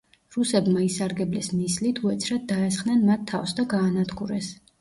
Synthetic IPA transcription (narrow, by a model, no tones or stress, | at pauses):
ɾusɛbmaisaɾɡɛblɛsnislit̪ʰuɛt̪sʰɾat̪̚d̪aɛs̬χnɛnmat̪ʰːafsd̪aɡaːnad̪ɡuɾɛs